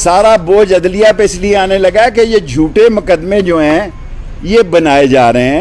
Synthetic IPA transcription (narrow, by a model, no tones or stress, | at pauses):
saːɾaboːd͡ʒɐd̪lɪjapeɪslieaːnelɐɡaɛkejed͡ʒʱuːʈemʊkəd̪mẽd͡ʒoːɦɛ̃ː | jebənaːed͡ʒaːɾeɦeɛ̃